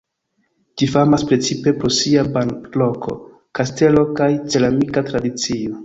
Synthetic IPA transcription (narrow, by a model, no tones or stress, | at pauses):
d͡ʒifamaspɾe̞t͡sipe̞pɾo̞siabanlo̞ko̞̰ | kaste̞lo̞kajt͡se̞lamikatɾadit͡sio